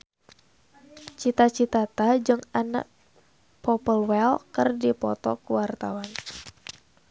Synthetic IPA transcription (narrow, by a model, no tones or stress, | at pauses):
t͡ʃit̪at͡ʃit̪at̪ad͡ʒɨŋana̰ʔ | pɔpəlwɛlkərdipɔ̰t̪ɔkuwart̪a̰wan